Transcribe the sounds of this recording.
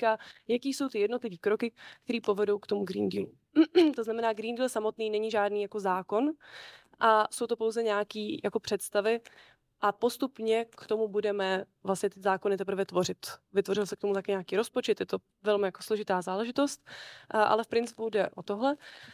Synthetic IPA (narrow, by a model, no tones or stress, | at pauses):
kajakiːso̞wt̪ɪjɛdno̞t̪lɪviːkɾokɪk̚t̪ɛɾiːpo̞vɛdo̞wkt̪o̞muɡɾḭːndiːlu | t̪oznamɛnaːɡɾiːndiːlsamot̪niːnɛɲɪʒaːdniːjako̞zaːko̞n | ʔaso̞wt̪opo̞wzɛɲaːkiːjako̞pr̥ɛt̪st̪avɪ | ʔapo̞st̪upɲɛkt̪o̞mubudɛmɛvlasɲɛt̪ɪzaːko̞nɪt̪ɛpɾ̩vɛt̪vo̞r̝ɪt̪vɪt̪vo̞ɾɪlsɛk̚t̪o̞mut̪akɛːɲaːkiːɾo̞spo̞t͡ʃɛt̪jɛt̪o̞ | vɛlmɪjako̞̥slo̞ʒɪt̪aːzaːlɛʒɪt̪o̞st̪ʔa̰lɛfpɾɪnt͡sɪ̥pudɛʔo̞t̪oɦlɛ